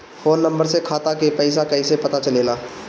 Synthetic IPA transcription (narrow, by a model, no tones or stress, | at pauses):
foːnːə̃mbəɾsekʰaːt̪akepɛːɪs̬akɛisepɐt̪at͡ʃɐleːlaː